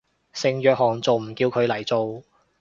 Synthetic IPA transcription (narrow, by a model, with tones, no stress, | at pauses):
sɪ˨ŋjœː˨k̚hɔː˨˩ŋt͡so˨wm̩˨˩kiː˧wkʰɵ˨˧ɥlɐ˨˩jt͡so˨˧w